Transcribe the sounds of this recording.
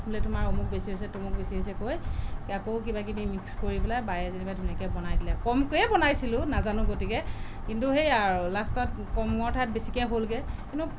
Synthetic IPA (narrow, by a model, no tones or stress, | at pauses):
pʰulɛtʊmaɹomuk̚besiɦojsɛtumuk̚besiɦojsɛkojkakowkibak̬inimikskoɹibɛlajbajɛzinibajdʰʱunɛkɛbɔnajdilɛkɔmkojɛbɔnajsilʊnazanʊ̃ɡotikɛ | kintuhejaɹlastɔt | kɔmŋɔɹtʰaɛt̚besikɛɦolɡɛkintu